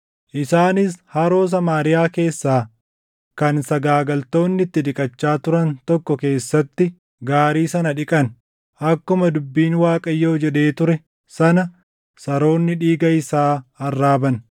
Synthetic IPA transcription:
ʔɪsaːnɪshɐɾo̞ːs̬ɐmaːɾɪjaːke̞ːsːaː | kɐnsɐɡaːɡɐlt̪o̞ːnːɪt̪ːɪᶑ̪ɪkʼɐt͡ʃːaːt̪ʊɾɐnt̪ɔkːɔke̞ːsːɐt̪ːɪ | ɡaːɾiːsɐnɐᶑɪkʼɐn | ʔɐkːʊmɐd̪ʊbːiːnwaːkʼɐjːoːd͡ʒɛᶑe̞ːt̪ʊɾɛ | sɐnɐ | sɐɾo̞ːnːɪᶑiːɡɐɪsaːɐrːaːbɐn

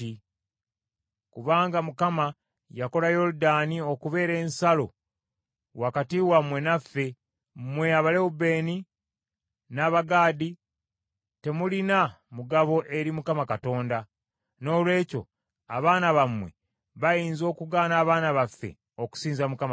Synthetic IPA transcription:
i | kuβaːŋɡamukama | jako̞lajo̞ludanio̞kuβe̞ːɾe̞ːnsalo̞̰ | wakatiwamwe̞nafːe̞ | mmwe̞aβalewube̞ːni | naːβaɡaːdi | te̞mulina | muɡaβo̞ʔeɾimukamakato̞ːnda | no̞ːlwe̞ːco̞̰ | a̰βaːnaβamwe̞̰ | βajiːnzo̞ːkuɡaːnaːβaːnaβafːe̞̰ | o̞ku̥siːnzamukam

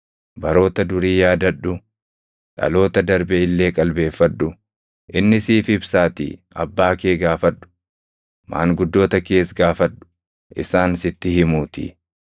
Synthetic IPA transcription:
bɐɾo̞ːt̪ɐd̪ʊɾiːjaːd̪ɐᶑʊ | ᶑɐ̰lo̞ːt̪ɐd̪ɐɾbɛɪlːe̞ːkʼɐlbe̞ːfːɐᶑːʊ | ʔɪnːɪsiːfɪbsaːt̪ḭ | ɐ̰bːaːke̞ːɡaːfɐᶑːʊ̥ | ma̰ːŋɡʊd̪ːo̞ːt̪ɐke̞ːsɡaːfɐᶑʊ̥ | ʔɪ̰saːnsɪt̪ːɪhɪmuːt̪ɪ̰

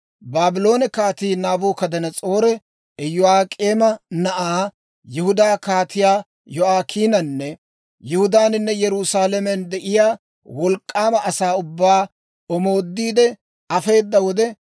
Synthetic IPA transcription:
baːbɪlo̞ːnɛkaːt̪iːnaːboːkɐd̪ɐnɐt͡sʼo̞ːɾɛ | ɛjʊaːkʼeːmɐnɐʔaː | jɛhʊd̪aːkaːt̪ɪjaː | jɔaːkʰiːnɐnːɛ | jɛhʊd̪aːnɪnːɛjɛɾʊsaːlɛmɛnd̪ɛʔɪjaː | wɔlkʼːaːmɐʔɐsaːʊbːaː | ɔmo̞ːd̪ːiːd̪ɛ | ɐfe̞ːd̪ːɐwɔd̪ɛ

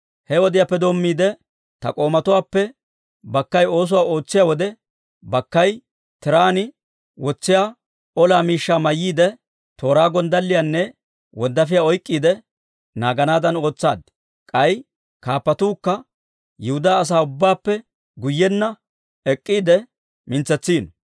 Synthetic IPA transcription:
hɛwɔd̪ɪjaːpːɛd̪o̞ːmːiːd̪ɛ | t̪ɐ̰kʼo̞ːmɐt̪ʊwaːpːɛ | bɐkːɐjo̞ːs̬ʊwaːo̞ːt͡sːɪjawɔd̪ɛ | bɐkːɐj | t̪ɪɾaːnɪ | wɔt͡sːɪjaː | ɔlaːmiːʃːaːmɐjːiːd̪ɛ | t̪o̞ːɾaːɡɔnd̪ɐlːɪjanːɛ | wɔnd̪ɐfɪjaːɔjkʼːiːd̪ɛ | naːɡɐnaːd̪ɐno̞ːt͡sːaːd̪ | kʼɐj | kaːpːɐt̪uːkːɐ | jɛhʊd̪aːɐs̬aːʊbːaːpːɛ | ɡʊjːɛnːɐ | ɛkʼːiːd̪ɛ | mɪnt͡sːɛt͡sːiːn

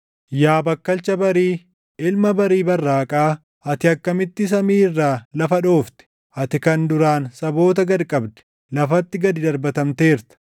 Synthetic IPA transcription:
jaːbɐkːɐlt͡ʃɐbɐɾiː | ɪlmɐbɐɾiːbɐrːaːkʼaː | ɐt̪ɪɐkːɐmɪt̪ːɪs̬ɐmiːrːaːlɐfɐᶑo̞ːft̪ɛ̥ | ɐt̪ɪkɐnd̪ʊɾaːnsɐbo̞ːt̪̬ɐɡɐɾkʼɐbd̪ɛ̥ | lɐfɐt̪ːɪɡɐd̪ɪd̪ɐɾbɐt̪ɐmt̪e̞ːɾt̪ɐ̥

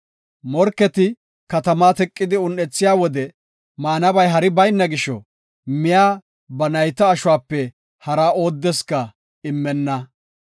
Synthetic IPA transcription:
mɔɾkːɛt̪ɪ | kɐt̪ɐmaːt̪ɛkʼːɪd̪ɪʊnːɛt͡sːɪjaːwɔd̪ɛ | maːnɐbɐjɦɐɾɪbɐjnːɐɡɪʃɔ̰ | mɪjaː | bɐnɐjt̪ɐːʃʊwaːpːɛ | hɐɾɐo̞ːd̪ːɛskɐ | ɪmːɛnːɐ

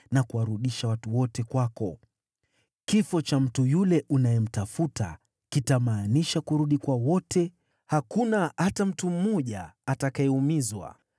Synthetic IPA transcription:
nakuwaɾuɗiʃawatuwɔtɛkwakɔ | kifɔt͡ʃam̩tujulɛʔunajɛm̩tafuta̰ | kitamaːniʃakuɾuɗikwawɔtʰɛ | hakunahatam̩tum̩mɔʄaːtakaɛumizwa̰

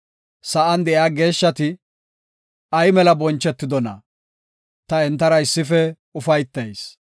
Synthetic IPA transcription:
sɐʔɐnd̪ɛʔjaːɡe̞ːʃːɐt̪ɪ | ɐjmɛlɐbɔnt͡ʃːɛt̪ːɪd̪ɔnɐ̰ | t̪ɐɛnt̪ːɐɾɐɪsːɪfɛ | ʊfɐjt̪ːɐjs

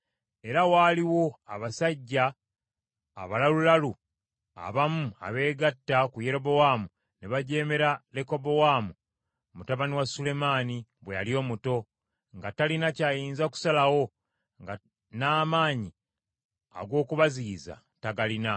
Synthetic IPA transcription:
e̞ɾawaːliwo̞aβasaɟːa | βalalulalu | a̰βamua̰βe̞ːɡatːakuje̞ɾo̞bo̞waːmu | neβaɟe̞ːme̞ɾale̞ko̞bo̞waːmu | mutaβaniwasule̞maːniβwejaljo̞ːmuto̞ | ŋɡatalinacaːjiːnzaku̥salawo̞ | ŋɡa | naːmaːɲi | a̰ɡo̞ːkuβaziːza̰ | taɡalina

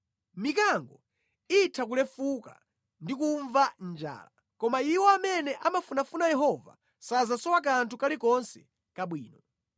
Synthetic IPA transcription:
mikaŋɡɔ | itʰak̬ulɛfuka̰ | ndikuɱvand͡ʒa̰ːla | kɔmaiwɔamɛnɛʔamafunafunajɛɦɔva̰ | sazasɔwak̬antʰukalikɔnsɛ | kaɓwḭːnɔ

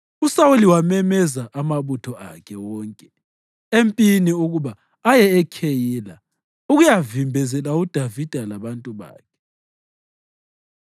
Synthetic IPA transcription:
usawuliwamɛmɛzaʔamaβutʰɔa̰kʰɛwɔːŋkʼɛ | empʼiniuɣuβaː | jɛɛkʰejiːla | uɣujavimbʱɛzɛlaud̥ʱavid̥ʱalaβantʼuβa̰ːkʰɛ̥

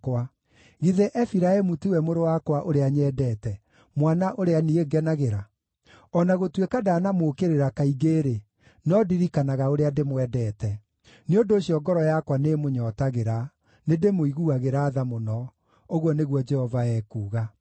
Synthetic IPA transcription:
kwa | ɣiðeʔɛfiɾaɛmutiwɛmoɾowakwaʔoɾeaɲɛːdɛːtɛ | mwanaʔoɾeanieɡɛnaɣeɾa | ɔnaɣotwekadaːnamokeɾeɾakaiɣeːɾe | nɔdiɾikanaɣaoɾeademwɛdɛːtɛ | neondoːɕiɔɡɔɾɔjakwanemoɲɔtaɣeɾa | nedemoiɣuaɣeɾaːðamonɔ | oɣwɔneɣwɔd͡ʒɛhɔvaɛkuːɣa

